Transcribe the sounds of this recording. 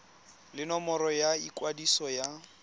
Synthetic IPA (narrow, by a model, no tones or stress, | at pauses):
lɪnɔmɔɾɔjaikʼwadisɔja